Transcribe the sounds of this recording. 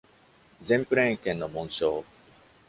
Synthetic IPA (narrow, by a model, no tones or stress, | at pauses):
zẽmpɯ̟ɾẽŋkẽnːomõɰ̃ɕoː